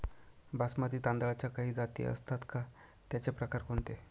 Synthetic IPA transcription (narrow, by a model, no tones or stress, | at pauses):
basməd̪iːt̪ãnd̪ɭat͡ɕjakaɦiːd͡zat̪ḭə̰st̪ʰat̪ka | t̪jat͡ɕepɾəkaɾkoɳt̪e